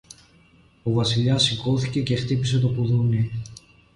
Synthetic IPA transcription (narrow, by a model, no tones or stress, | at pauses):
ovɐsiʎɐsiko̞θice̞ce̞xt̪ipis̬e̞t̪o̞puðuni